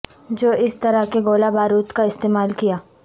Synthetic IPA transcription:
d͡ʒoːʔɪst̪ɐɾəkeɡoːlabaːɾuːt̪kaɪst̪eːmaːlkijaː

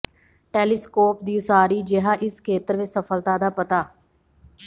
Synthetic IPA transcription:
ʈeːlɪskoːp̚d̪iːʊsaːɾiːd͡ʒɪɦaːʔɪskʰeːt̪əɾʋɪt͡ʃsəfʰəlt̪aːd̪aːpət̪aː

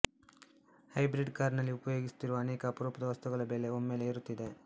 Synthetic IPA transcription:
hɐjbɾiɖkaːɾnɐlːiupɐjo̞ːɡisu̥t̪iɾuʋɐːneːkɐːpɐɾoːpɐd̪ɐʋɐst̪uɡɐɭɐbe̞ːle̞omːe̞ːle̞ːɾut̪ːid̪e̞

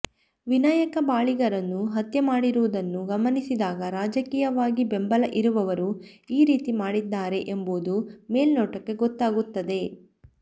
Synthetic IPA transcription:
ʋinaːjɐkɐbaːɭiɡɐɾɐnːuɦɐt̪jɐmaːɽiɾuʋud̪ɐnːuɡɐmɐnisid̪aːɡɐɾaːd͡ʒɐkiːjɐʋaːɡibembɐlɐʔiɾuʋɐʋɐɾu | iːɾiːt̪imaːɽid̪ːaːɾe̞ʔemboːd̪ume̞ːlnoːʈɐkːe̞ɡɔt̪ːaːɡut̪ːɐd̪e̞

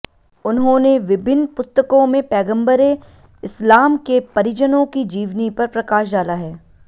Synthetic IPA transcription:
ʊnɦõːneʋɪbʱɪnːpʊst̪əkõmẽpɛːɡə̃mbəɾe | ɪslaːmkepɐɾɪd͡ʒənõkid͡ʒiːʋnipɐɾpɾɐkaːʃdaːlaɦɛː

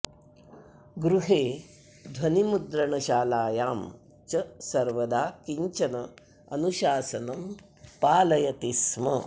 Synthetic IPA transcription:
ɡɾuɦeː | d̪ʱwɐnimud̪ɾɐɳɐʃaːlaːjaːm | t͡ʃɐsɐɾʋɐd̪aːkiɲt͡ʃɐnɐ | ɐ̰nuʃaːsɐnɐm | paːlɐjɐt̪ismɐ

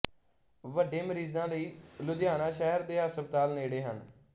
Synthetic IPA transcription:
ʋəɖẽːməɾiːzãːləiːlʊd̪jaːnaːʃɛːɦɾd̪eːɦəsəb̚t̪aːlneːɽeːɦən

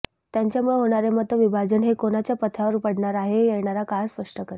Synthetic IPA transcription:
t̪jaɲt͡ɕjamuɭeɦoɽ̃aɾemət̪ːəʋibʱad͡ʑənɦekonat͡ɕjapət̪ʰaʋəɾpəɽɳaɾaɦejɛɳaɾakajspəʂʈəkəɾ

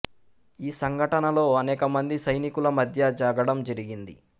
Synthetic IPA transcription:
iːsɐŋɡʱɐʈɐnɐlo̞ːɐnɛːkɐmɐnd̪isɐjnikulɐmɐd̪ʱjɐd͡ʒaːɡɐɽɐmd͡ʒɐɾiɡind̪i

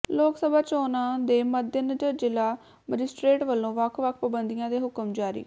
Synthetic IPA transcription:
loːksəbaːt͡ʃoːnãːd̪eːməd̪ʱjənəd͡ʒəɾd͡ʒɪlaː | məd͡ʒɪsʈɾeːʈʋəlːõːʋəkʰʋəkʰpəbənd̪ijãːd̪eːɦʊkəmd͡ʒaːɾḭː

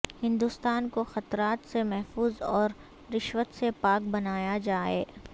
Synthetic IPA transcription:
hɪ̃nd̪ust̪aːnkoxɐt̪ɾaːt̪semɛɦfuːzɔːɾ | ɾɪʃʋət̪sepaːk̚bɐnaːjad͡ʒaːḛː

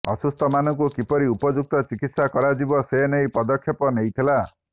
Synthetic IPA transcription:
ɔ̰sust̪ɔmanɔŋkukipɔɾiupɔd͡ʒuk̚t̪ɔt͡ʃikit̪sakɔɾad͡ʒibɔsenejpɔd̪ɔkʰjɔpɔnejt̪ʰila

